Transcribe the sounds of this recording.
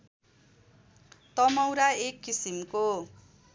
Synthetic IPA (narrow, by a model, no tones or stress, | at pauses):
t̪ʌmʌwɾaekːisimko